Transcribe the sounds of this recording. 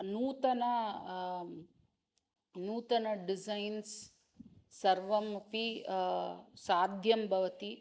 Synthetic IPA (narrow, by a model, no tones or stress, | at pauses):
nuːt̪ɐnɐ | nuːt̪ɐnɐɖid͡ʒɐjns | sɐɾʋɐmupi | saːd̪ʱjɐmbʱɐʋɐt̪i